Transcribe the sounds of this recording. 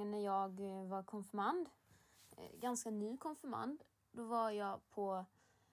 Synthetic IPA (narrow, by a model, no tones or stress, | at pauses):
ənnæɾjɑːɡvaɾkʰɔnfœɾmand̪ | ɡanskanyːkʰɔnfœɾma̰nd̪ | d̪ɔvaɾjɑːpʰɔ